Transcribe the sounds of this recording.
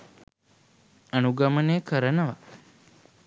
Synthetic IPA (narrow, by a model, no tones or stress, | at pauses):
ɐnuɡɐməneːkʰəɾənəʋa